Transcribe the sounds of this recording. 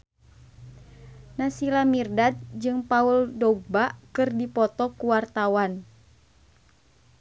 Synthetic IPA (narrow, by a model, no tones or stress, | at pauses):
nasilamirdat̪̚d͡ʒɨŋpauldɔɡ̚bakɨrdipɔt̪ɔkuwart̪awan